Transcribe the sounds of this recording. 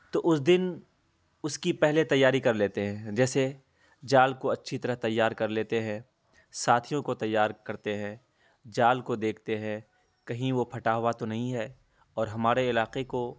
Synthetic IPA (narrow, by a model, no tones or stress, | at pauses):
t̪oːʔʊsd̪ɪn | ʊskipɛɦlet̪ɐjːaːɾikɐɾleːt̪eɦɛ̃ːd͡ʒɛːse | d͡ʒaːlkoɐtːʃʰit̪ɐɾəɦt̪ɐjːaːɾkɐɾleːt̪eɦɛ̃ː | saːt̪ʰijõkot̪ɐjːaːɾkɐɾt̪eɦɛ̃ | d͡ʒaːlkod̪eːkʰt̪eɦɛ̃ | kɐɦĩʋopʰɐʈaːɦʊwat̪onɐɦĩɦɛː | ɔːɾɦɐmaːɾeɪlaːqeko